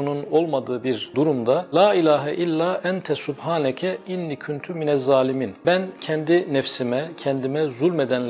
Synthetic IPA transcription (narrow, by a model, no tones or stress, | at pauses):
ununo̞lˠmad̪ɯːbiɾd̪uɾumd̪alaːilʲaːɦɛʔilʲːaːʔɛnt̪ʰɛsubhaːnɛcʰɛinːicʰynt̪ʰyminɛzːaːliminbæncʰɛnd̪inɛfsimɛcʰɛnd̪imɛzulʲmed̪ænl